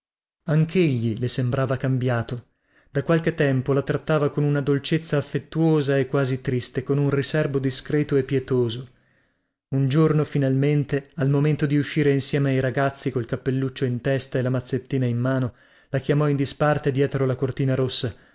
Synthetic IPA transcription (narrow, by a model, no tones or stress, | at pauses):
aŋkʰeʎːilesembɾaːvakambjaːt̪o | d̪̥akwalket̪ːɛmpolat̪ɾat̪ːaːvakonunad̪olt͡ʃet̪sːaːfːet̪ːuoːzaekːwaːzit̪ɾist̪ekonunrisɛrbod̪iskɾɛːt̪oepːjɛt̪oːzo | und͡ʒornofinalment̪ealmoment̪od̪iuʃːiːɾeinsjɛːmeajɾaɡat̪sːikolkapːelːut͡ʃːoint̪ɛst̪aelamat̪sːet̪ːiːnaimːaːno | lakjamɔind̪ispart̪ed̪jɛːt̪ɾolakort̪iːnaɾosːa